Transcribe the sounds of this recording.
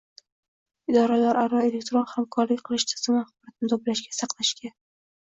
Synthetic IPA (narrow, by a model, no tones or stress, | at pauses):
ɪd̪ɒɾalaɾʔaɾɒe̞le̞k̚ʲt̪ɾonhamkʰɒɾlɪkʲqʰɨlˠɪʃt̪ʰɪ̥z̥ɪmaχbɒɾat̪nɪt̪ʰoplaʃɡʲasɑqʰlˠaʃkʲa